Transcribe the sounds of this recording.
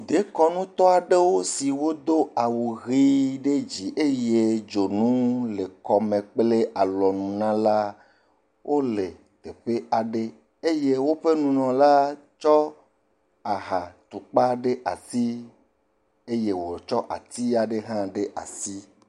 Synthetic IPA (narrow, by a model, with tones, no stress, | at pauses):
d̪e˦kɔ˦nũ˦t̪ɔ˦a˨ɖe˦wo˦si˨wo˦d̪o˦a˨wu˨ɣi˦ɖe˦d͡ʑi˨ʔe˦je˦d͡ʒo˨nũ˦le˨kɔ˨mẽ˨k͡ple˦ʔa˨lɔ˨nũ˨nã˦la˦ | wʔo˦le˨ | t̪e˨ɸe˦a˨ɖe˦ | e˦je˦wo˦ɸe˦nũ˨nɔ̃˨la˦ | t͡ʃɔ˦ | a˨ɦa˨t̪u˨k͡pa˦ɖe˦ʔa̰˨si˦ | e˦je˦wo˨t͡ʃɔ˦ʔa̰˨t̪i˦a˨ɖe˦ɦã˦ɖe˦ʔa̰˨si˦